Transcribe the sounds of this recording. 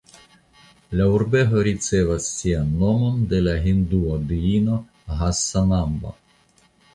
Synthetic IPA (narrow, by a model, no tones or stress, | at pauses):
lauɾbeɦoɾit͡se̞vasːianːo̞mo̞nd̪e̞laɦind̪uod̪iino̞ | ɦasːanambo̰